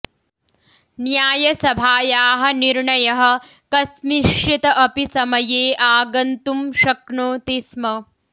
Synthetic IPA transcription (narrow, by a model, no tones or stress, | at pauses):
njaːjɐsɐbʱaːjaːɦɐniɾɳɐjɐɦɐ̆ | kɐsmiʃjit̪ɐʔɐpisɐmɐjeːʔaːɡɐnt̪umʃɐkɳoːt̪ismɐ